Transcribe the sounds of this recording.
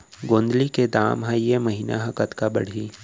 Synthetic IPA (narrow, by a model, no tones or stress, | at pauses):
ɡõːnd̪liked̪aːmɦãjemɐɦiːna̰ɦɐkət̪kabɐ̰ɽ̤iː